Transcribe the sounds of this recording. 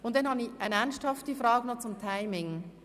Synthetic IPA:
ʊnt̚d̥ɛnhɑniçɛnɛnʃthɑftifrɑːɡənot͡sʊmtʰaɪmɪŋ

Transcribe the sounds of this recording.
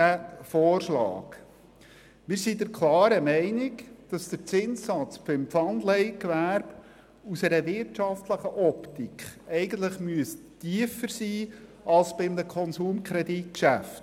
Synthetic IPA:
æfɔːɾʃlɑ̰ːk | mɪːɾsidəɾkʰlˠɑːɾəmɛɪnɪkd̥ɑsd̥̪əɾt͡sɪnssɑt͡sbɪmpfɑndlɛɪkʋæɾb̥ | usɛɾəvɪɾtʃɑft̪ləχəʔɔptikχɛɪɡən̩t̪ləχmyəstiəfəɾsiː | ɑlsb̥ɪmnəkʰɔnsuːmkʰɾɛditkʃæft

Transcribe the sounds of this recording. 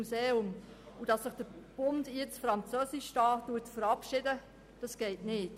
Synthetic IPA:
useːʊm | ud̥ɑsːɪχd̥əb̥ʊndjɪt͡sfɾɑnt͡søːsɪʃʃtɑːtːuːətfəɾɑpʃɪdə | d̥ɑsɡ̥ɛɪtnɪːt

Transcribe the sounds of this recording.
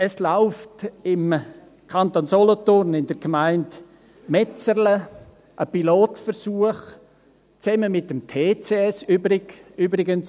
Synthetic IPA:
əslaʊftɪm | kʰɑntonsolɔtʊrnɪnd̥əɾɡmaɪnt | mɛt͡sərlə | ʔəpiloːtfəɾsuəχ | t͡sɛməmɪtːəmtʰeːt͡seɛsybɾɪyːbɾɪɡəns

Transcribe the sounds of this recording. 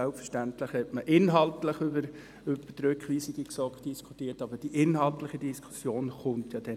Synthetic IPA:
ælpfəʃtæntləχhɛtməʔɪnɦɑltləχʏbəɾ | ʉbədɾʏkχʋiːsiɡəksɔkd̥iskʰutiːtɑbəd̥iʔɪnɦɑltləχidiskʰu̥sjoːnχʊntjɑd̥ɛ

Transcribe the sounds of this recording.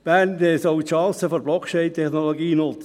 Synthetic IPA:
b̥æntɛsɔwitʃɑ̃ːsəfɔɾblɔkʰt͡ʃɛɪnt̪ʰɛχnoloɡiːnʊt͡s

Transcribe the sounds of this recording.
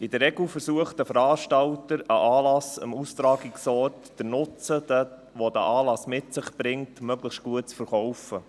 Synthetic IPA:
ɪd̥̪əɾɛɡlfəɾsuəχtd̥əfəɾɑːʃtɑltəɾəʔɑːlɑsə̰must̪ɾɑːɡɪksɔrtd̥ənʊt͡sədə | ʋod̪æ̰ʔɑːlɑsmɪtsɪχb̥ɾɪŋtmœɡləχʃtɡ̥uət̚t͡sfəɾχɔwfə

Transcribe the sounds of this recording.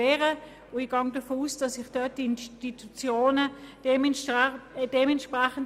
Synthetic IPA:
ɛːʁə | ʊiɡ̥ɑŋdɐfoːusd̥ɑsɪχd̥œt̚d̥iɪnʃtitʰut͡sjoːnə̥em | d̥emɛntʃpʁɛχən

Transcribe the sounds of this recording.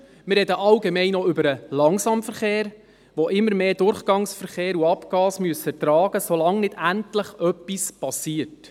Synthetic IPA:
mɪrɾɛdəʔɑlɡemɛɪnɔʏbəɾəlɑŋsɑmfəɾχeːɾ | ʋoʔɪmːəɾmeːdʊɾχɡ̥ɑŋsfəɾχeːɾuɑpkɑːsmyəsətɾɑːɡ̥əsolɑŋnɪdæntləχœpːispɑsiːərt

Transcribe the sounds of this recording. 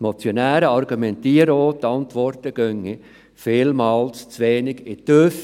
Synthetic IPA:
mɔt͡sjɔnæːɾəɑrɡumɛntiːəɾəoːtːɑntʋɔrtəɡ̥œŋːi | fɪːlmɑːlst͡sʋeːnɪɡɪt̪øf

